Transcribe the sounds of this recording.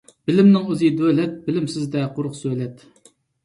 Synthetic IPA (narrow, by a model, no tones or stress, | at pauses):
b̥ɪlɪmnɪŋøzɨd̪ølɛt̪̚bɪlɪmsɪzd̪ɛqʰʊɾʊχsølɛt̪